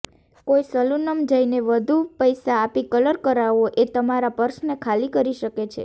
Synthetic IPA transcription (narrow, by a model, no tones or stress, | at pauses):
koisəlunəmd͡ʒajneʋəd̪ʱupəjsaːpikələɾkəɾaʋoʔet̪əmaɾapəɾsnekʰalikəɾiʃəket͡ʃʰḛ